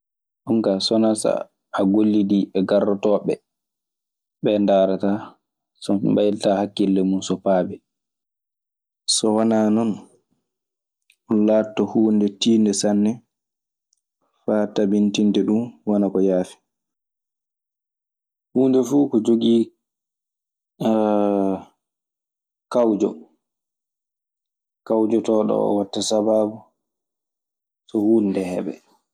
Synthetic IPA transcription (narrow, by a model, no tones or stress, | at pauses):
ʔuŋkasɔnasa̰ː | ɡolːidiɛɡarːɔtɔːɓɛ̰ | ɓɛndaːɾata | sɔ̰bajltahakːilːɛmunsɔpaːbɛ | sɔwananɔn | ɔlaːtːɔhuːndɛtiːndɛsanːɛ | faːtabintindɛɗumwanakɔjaːfi̥ | huːndɛfuːkɔd͡ʒoɡiː | kawd͡ʒɔ | kawd͡ʒɔtɔːɗɔ̰ɔ̰watːasabaːbu | sɔhuːndɛhɛ̰bɛ̰